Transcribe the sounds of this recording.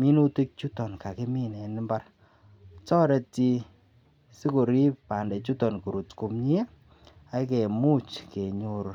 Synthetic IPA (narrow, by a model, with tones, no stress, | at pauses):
mi˦nu˦ti˦k̚t͡ʃu˦tɔ˨nka˨ke˦mi˦nɛ˨ni˦mba˦r | t͡ʃɔ˦ɾɛ˨ti˧ | si˦ko˨ɾi˦ppa˨ndɛ˨t͡ʃu˦tɔ˨nku˨ɾu˨tku˨mɲi˦a˦ | a˨˦ke˨mu˦t͡ʃke˨ɲu˦ɾ